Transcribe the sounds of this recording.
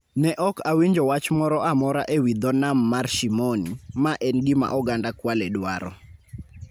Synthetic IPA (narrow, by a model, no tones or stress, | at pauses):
nɛʔɔkawiɲd͡ʒɔwat͡ʃmɔɾɔamɔɾaʔewid̪ɔnamːarʃimɔnimaʔɛnɡɪma̰ʔɔɡandakwalɛdwaɾɔ̰